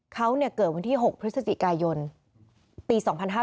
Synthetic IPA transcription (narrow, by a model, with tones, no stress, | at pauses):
kʰa˦˥wni˥˩ɐkɤː˨˩t̪̚wa˧nt̪ʰiː˥˩ɦo˨˩k̚pʰɾɯ˦˥t̪̚sa˧t͡ɕi˨˩kaː˧jo˧n | piː˧sɔː˩˦ŋpʰa˧nɦaː˥˩